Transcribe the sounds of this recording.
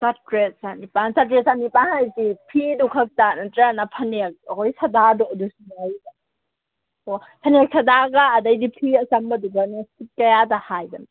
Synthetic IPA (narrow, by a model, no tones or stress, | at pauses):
satɾet̚sanipansat̬ɾet̚sanipanhajtipʰidukʰɐk̚tanatɾanapʰɐnek̚ɔjsʰɐdadɔdusunajba | opʰɐnek̚sʰɐdaɡaːdajdipʰiɐsambɐduɡanasit̚kɐjadahajban